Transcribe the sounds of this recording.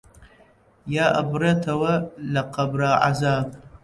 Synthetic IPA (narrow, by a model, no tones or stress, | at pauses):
jaʔabrɐtʰawalaqʰabraʕa̰zab̚ʼ